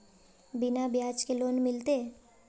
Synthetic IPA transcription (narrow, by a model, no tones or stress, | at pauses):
bɪnabjaːt͡ʃkeloːnmɪlt̪e